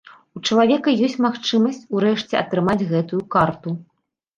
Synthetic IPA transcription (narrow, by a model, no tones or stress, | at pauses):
ut͡ʂɐlˠavʲɛkɐjɔsʲtʲt͡sʲmaxt͡ʂɨmɐsʲt͡sʲuɾɛʂt͡sʲɛɐt̪ɾɨmad͡zʲɣɛt̪ujukart̪u